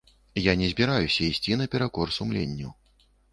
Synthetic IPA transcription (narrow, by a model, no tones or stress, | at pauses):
janʲɛzʲbʲiɾajusʲɐisʲt͡sʲinɐpʲɛɾakɔrsumlʲḛnʲːɐw